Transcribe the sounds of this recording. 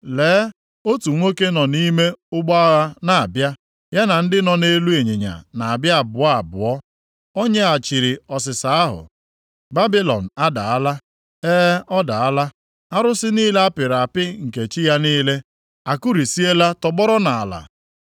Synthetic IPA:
leː˨˦ | o˦tu˨ŋʷo˦ke˦nɔ˨ni˦me˦ʊ˦ɡ͡bɔ˦a˦ɣa˦na˨bja˦ | ja˦na˨n̩˦dɪ˦nɔ˨ne˦lu˦e˨ɲe˨ɲa̰˨na˨a˨bja˦a˨bʊ˨a˦a̰˨bʊ̰˨ɔ˦ | o˦ɲe˦a˨t͡ʃi˨ɾɪ˨ɔ˨s̬ɪ˨sa˨a˦ɦʊ̰˨ | ba˦bi˦lɔ̰˨n̩˨a˦da̰˨a˦la˦ | eː˦ɔ˦da˨a˦la˦ | a˦ɾʊ˦sɪ˦niː˦le˦a˦pɪ˨ɾa˨pɪ˦ŋ̩˨ke˨t͡ʃi˦ja˦niː˦le˦ | a˨ku˦ɾi˨si˦e˦la˦tɔ˨ɡ͡bɔ˦ɾɔ˦na˨a˨la̰˨

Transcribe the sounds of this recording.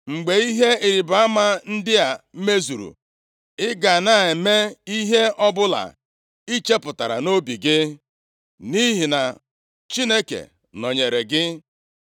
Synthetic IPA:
ŋ͡m̩˨ɡ͡be˨i˦ɦe˦i˨ɾi˨ba˨a˦ma˦n̩˦dɪ˦a˨˦me˦zu˨ɾṵ˨ | ɪ˦ɡa˨na˨e˨me˦i˦ɦe˦ɔ˦bʊ˦la̰˨ | i˦t͡ʃe˦pʊ˨ta˨ɾa̰˨no˦bi˨ɡɪ˦ | ni˦ɦi˨na˨ | t͡ʃi˦ne˦kḛ˨ | nɔ˨ɲe˨ɾe˨ɡɪ˦

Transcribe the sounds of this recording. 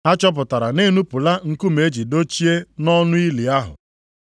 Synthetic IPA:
a˦t͡ʃɔ˦p̬ʊ˨ta˨ɾa˨ne˦nu˦pʊ˨la˦ŋ̩˦ku˦me˨˦d͡ʒi˨do˦t͡ʃi˦e˦nɔ˦nʊ˦i˦li˨a˦ɦʊ̰˨

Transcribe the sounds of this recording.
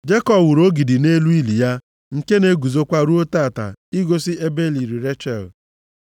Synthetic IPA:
d͡ʒe˦kɔ˨wʊ˨ɾo˦ɡi˨di˨ne˦lu˦i˦li˨ja˦ | ŋ̩˨ke˦ne˦ɡu˨zo˦kʷa˦ɾu˦o˦taː˦˨ta̰˨i˦ɡo˦si˦e˦be˦li˨ɾi˨ɾe˦t͡ʃɛ̰˨l

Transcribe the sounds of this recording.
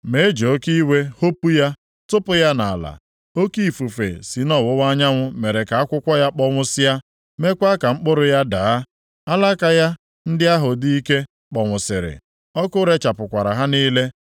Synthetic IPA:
me˨˦d͡ʒo˦ki˦we˦ho˦pu˦ja˦ | tʊ˦pʊ˦ja˦na˨la̰˨ | o˦ki˦i˨fu˨fḛ˨si˨nɔ˦˨wʊ˦wa˦ɲa˦ŋʷʊ˦me˨ɾe˨ka˨a˦kʷʊ˦kʷɔ˦ja˦k͡pɔ˦ŋʷʊ˦sɪ˦ja˦ | me˦kʷa˦ka˨ŋ͡m̩˦k͡pʊ˦ɾʊ˨ja˦daː˨a˦ | a˦la˦ka˨ja˦ | n̩˦dɪ˦a˦ɦʊ˨di˦i˦ke˦ | k͡pɔ˨ŋʷʊ˨sɪ˨ɾɪ̰˨ | ɔ˦kʊ˦ɾe˦t͡ʃa˨pʊ˨kʷa˨ɾa˨ɦa˦niː˦le˦

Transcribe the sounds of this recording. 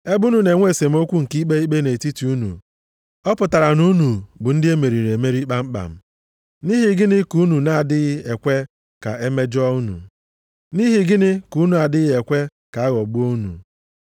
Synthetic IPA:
e˦bu˦nu˨ne˨ŋʷe˦˨se˨m̩˦o˦kʷu˦ŋ̩˨ki˦k͡pe˦i˦k͡pe˦ne˨ti˦ti˨u˦nṵ˨ | ɔ˦pʊ˨ta˨ɾa˨nu˦nu˨bʊ˨n̩˦dɪ˦e˦me˨ɾi˨ɾe˨me˦ɾi˦k͡pa˦m̩˦k͡pa̰˨m̩˦ | ni˦ɦi˨ɡɪ˦nɪ˦ku˦nu˨na˦a˨dɪ˦ɣɪ˦e˨kʷe˦ | ka̰˨e˦me˦d͡ʒɔ˦u˦nṵ˨ | ni˦ɦi˨ɡɪ˦nɪ˦ku˨˦nu˨a˨dɪ˦ɣɪ˦e˨kʷe˦ | ka˨a˦ɣɔ˨ɡ͡bʊ˦o˦nṵ˨

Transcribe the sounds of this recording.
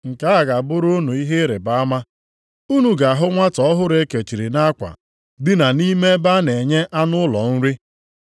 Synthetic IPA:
ŋ̩˨ka˦a˨ɡa˨bʊ˦ɾo˦nu˨i˦ɦe˦ɾe˨ba˦a˦ma˦ | u˦nu˨ɡa˨a˨ɦʊ˦ŋʷa˦tɔ˨˦ɔ˦ɦʊ˦ɾe˦ke˨t͡ʃi˨ɾi˨na˦kʷa̰˨ | dɪ˦na˨ni˦me˦ba˦ne˨ɲe˦ʔa˦nʊ˦lɔ̰˨n̩˦ɾɪ˦

